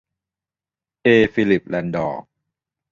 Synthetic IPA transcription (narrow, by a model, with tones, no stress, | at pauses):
ʔeː˧fiː˧li˨˩p̚lɛ˧ndɔ̰ː˨˩k̚